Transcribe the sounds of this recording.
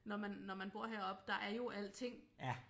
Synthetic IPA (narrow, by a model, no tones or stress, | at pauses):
nɒmænːɒmænb̥o̝ɐ̰ɦeɐɒ̽b̥d̥ɑ̈ʔæɐjo̝ʔæl̰t͡sʰe̝ŋ̰